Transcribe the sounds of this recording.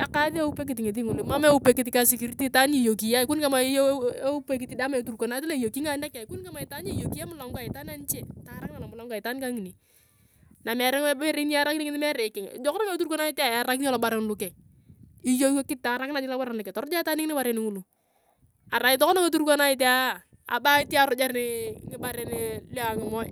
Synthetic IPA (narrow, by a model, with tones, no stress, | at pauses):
a˨ka˦ði˦a˦u˦pe˦k̬ɪ˨tɪ˨ŋe˨ti˦ŋu˨lma˦me˦u˦pe˨kɪ˨t̬i˨ka˨˦si˨ki˨ɾti˦ta˦ni˦˨jo˨ki˨ja˦ɪ˨ku˦nka˦ma˨˦e˦u˦pe˦k̬i˨ti˦da˦ma˨tu˨ɾkʷo˨na˦tle˦i˨jo˨ki˦ŋa˦na˦ka˨ku˦nka˦ma˨ɪ˨ta˦ɲe˦˨jo˨ki˦ja˦mʊ˦la˨˦ŋɡa˦˨ɪ˨ta˦na˦n˦t͡ʃɛ˨ta˨˦ɾa˦kɪna˨la˨mʊ˨la˦ŋɡa˨ɪ˨ta˦nka˦ŋi˨ni˨ | na˨mɛ˨ɾɛ˦ŋ˦e˦ɾe˦ni˦a˦ɾa˦ki˦ŋɪ˦nɪ˦mɛ˦ɾe˨kɪ˨ŋ̰˨d͡ʒɔ˦kɔ˦na˦ŋe˦tu˦ɾko˦na˦ɪ˦ta˨ja˨ɾa˦kita˦lɔ˨ba˨ɾɛ˨˦nlu˨kɛ˨ŋ | i˦jo˦o˦kɪ˦ta˨ɾa˦kɪna˨d͡ʒɪ˦la˦ba˦ɾa˨na˨kɛ˨tɔ˨ɾʊ˦d͡ʒa˦ɪ˦ta˦nɪ˦ŋ˦nɪ˦ba˦ɾɛ˨nɪ˦ŋu˦lu˨ | a˨ɾa˨˦ɪ˨tɔ˦kɔ˦na˦ŋe˦tu˦ɾko˦na˦i˦t̬a˦˨ | a̰˨ba˦ɪ˦ti˦a˦ɾʊ˦d͡ʒa˦ɾnɪ˦ŋɪ˦ba˦ɾɛ˨˦nɪ˦le˦a˨ŋɪ˨mɔ˦j